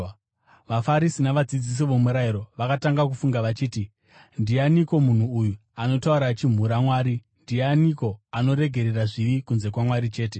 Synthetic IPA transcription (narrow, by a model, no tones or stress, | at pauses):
ʋafaɾisinaʋad͡zid͡zis̬iʋomuɾaiɾo̞ʋakataŋɡakufuŋɡaʋat͡ʃiːti | ndianiko̞mun̤uːju | ano̞tauɾat͡ʃim̤uɾamwaːɾi | ndianiko̞ano̞ɾe̞ɡʱe̞ɾeraʐiʋikunze̞kwamwaɾit͡ʃe̞ːte